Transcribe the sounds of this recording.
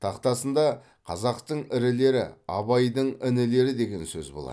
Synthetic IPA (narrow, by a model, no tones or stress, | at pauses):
t̪ʰɑqt̪ɑsənd̪ɑ | qʰɑzɑqt̪əɴɪɾɪle̞ɾɪ̰ɑbɑjd̪əɴɪnɪle̞ɾɪd̪e̞ɡʲe̞nsɵzbo̞lˠɑ̰